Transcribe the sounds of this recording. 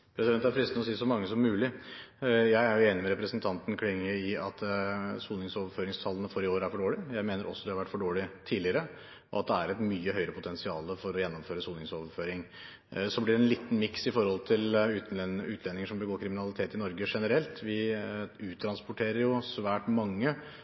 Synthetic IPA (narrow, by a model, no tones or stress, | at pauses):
pʰɾɛsɪd̪ɛnt̪æɾfɾɪst̪nəɔsiːəsɔmɑŋːəsɔmːʉːlɪ | jæɪæɾjʊeːnɪmɛɾɛpɾəsnt̪ʰɑnt̪n̩kʰlɪŋːəɪɑt̪suːlnɪŋsɔːʋəɾføːɾɪŋst̪ʰɑlːənəfɔɾɪoːɾəæɾfɔɖoːɭɪjæɪmeːnəɾʔɔ̰sːɔd̪ɛhɑɾʋæʈːfɔɖoːɭɪt̪ʰiːlɪəɾə | ɔ̰ɑt̪̚d̪ɛæɾɛt̪myːəɦœʏɾəpʰʊt̪ʰɛnsɪɑːləfɔɾɔjɛnːɔmføːɾəsuːlnɪŋsɔːʋəɾføːɾɪŋ | sɔblɪɖɛnliːt̪ːn̩mɪksɪfɔɾhɔlt̪ʰɪlʉːt̪n̩ʉːt̪ʰlɛnːɪŋəʂɔmbəɡoːɾkʰɾɪmɪnɑlɪt̪ʰeːt̪ɪnɔɾɡəʂɛnəɾɛlt̪ʋɪʉːt̪ʰːɾɑnspʊʈʰeːɾəɾjʊsʋæːʈmɑŋːə